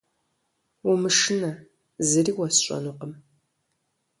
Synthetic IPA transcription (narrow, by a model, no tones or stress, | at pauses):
umɨʂɨnɐ | zɨriːwɐsɕʷʼɐ̰nuːqəm